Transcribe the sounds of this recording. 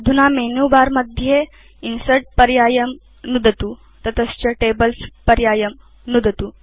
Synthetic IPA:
d̪ʱunamenubaɾməd̪ʱje | insəɾʈ̚pəɾjajəm | nud̪ʱət̪u | t̪ɐt̪əst͡ɕəʈebəlspəɾjajəm | nud̪ʱət̪u

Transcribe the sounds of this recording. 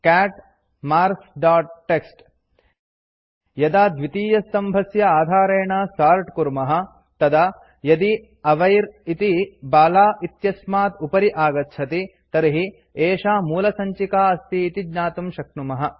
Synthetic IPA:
kæːʈ | maːɾsɖaːʈ̚ʈːeksʈ | jɐd̪aːd̪ʋit̪iːjɐst̪ɐmbʱɐsjɐaːd̪ʱaːɾeːɳaːsaːɾʈkuɾmɐɦɐ̆ | t̪ɐd̪ɐ | jɐd̪i | ɐʋɐjɾit̪ibaːlaːʔit̪jɐsmaːt̪upɐɾiʔaːɡɐt̪ːʃʰɐt̪i | t̪ɐɾiɦi | eːʃaːmuːlɐsɐɲt͡ʃikaːɐst̪iːt̪id͡ʒɲaːt̪umʃɐkɳumɐɦɐ̆

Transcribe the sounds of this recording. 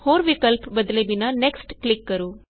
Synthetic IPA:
hoːɾʋikəlpbəd̪lebinaneksʈklɪkːəɾuː

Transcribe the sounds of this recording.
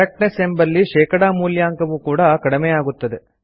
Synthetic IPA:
ɐk̚ʈnesembɐlːiʃɛːkɐɽaːmuːljaːŋkɐʋukuːɽɐkɐɽimeːjaːɡut̪ːɐd̪e

